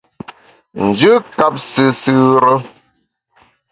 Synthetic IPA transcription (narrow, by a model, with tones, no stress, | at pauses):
n̩˨d͡ʒɨ˦ka˦p̚sɨ˨sɨ˦ɾə˦